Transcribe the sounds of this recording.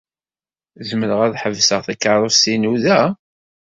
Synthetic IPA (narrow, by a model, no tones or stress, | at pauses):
zəməɾəʁæðħəvsəʁθikːɑɾˤosinuðæ